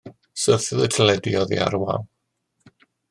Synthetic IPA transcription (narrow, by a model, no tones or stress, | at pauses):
səθɪðətʰəlɛdiɔðḭa̰ɾwa̰lˠ